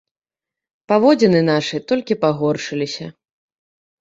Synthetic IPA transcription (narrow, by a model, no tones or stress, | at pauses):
pavɔd͡zʲɛnɨnaʂɨt̪ɔlʲkʲipaɣɔrʂɨlʲisʲɐ